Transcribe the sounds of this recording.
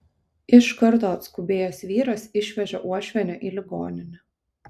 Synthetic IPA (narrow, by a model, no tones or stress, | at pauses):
ɪʃkɐɾt̪oːɐt̪skʊbʲeːjoːsʋʲiːɾɐsɪʃʲʋʲɛʒʲɛʔuɔʃʲʋʲɛnʲoːʔiːlʲɪɡo̰ːnʲɪnʲɛ